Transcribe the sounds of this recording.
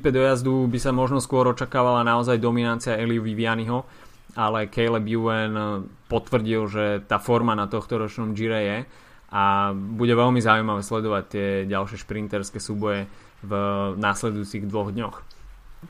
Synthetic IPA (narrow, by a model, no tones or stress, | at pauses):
t̪ipɛd̪ɔjazd̪ubisamɔʒnɔskʊɔɾɔt͡ʃakaːʋalanaɔzajd̪ɔminant͡siaɛliʋiʋianiɦɔ | alɛkɛjlɛbjuɛnpɔt̪ʋr̩ɟilʒɛt̪aːfɔɾmanat̪ɔxt̪ɔɾɔt͡ʃnɔmd͡ʒiɾɛjɛ | ʔabuɟɛʋɛlmizaujmaʋɛslɛd̪ɔʋac̚t̪ːɪɛɟalʃɪɛʃpɾint̪ɛɾskɛsuːbɔjɛ | vnaːslɛd̪ujut͡siɣd̪ʋɔɣd̪ɲɔx